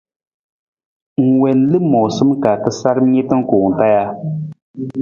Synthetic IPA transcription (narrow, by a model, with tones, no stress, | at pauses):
ŋ̩˨wɛ˨n˦lɨ˦mɔ˨sɨ˦mka˨tɨ˦sa˦ɾɨ˦m˦ɲe˦tɨ˦ŋ̩˦koː˨ŋ̩˨ta˦ja˦